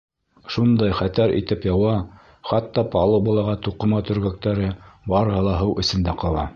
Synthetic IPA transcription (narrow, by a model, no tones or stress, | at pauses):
ʃund̪ɑjχæt̪æɾʔḭt̪ɘpjɑwɑ | χɑt̪ːɑpɑlˠɤbŭlˠɑʁɑt̪uqɤ̆mɑt̪ɵ̆ɾɡæk̚t̪æɾɘbɑɾɤ̆ɦɤ̆lˠɑɦɤwʔɘ̆sɘ̆nd̪æqɑlˠɑ